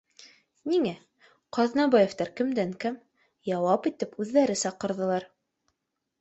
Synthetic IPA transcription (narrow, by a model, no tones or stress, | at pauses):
niŋæ | qɑðnɑbɑjeft̪ɑɾkɘ̆md̪æŋkæm | jɑwɑpit̪ɘpʉðːæɾɘsɑqɤ̆ɾðɤ̆lˠɑɾ